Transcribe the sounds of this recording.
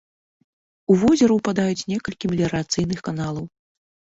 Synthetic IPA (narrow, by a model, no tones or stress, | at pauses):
uvɔzʲɛɾuwpad̪ajut͡sʲnʲɛkɐlʲkʲimʲilʲɛɾat̪sɨjnɨxkanalˠɐw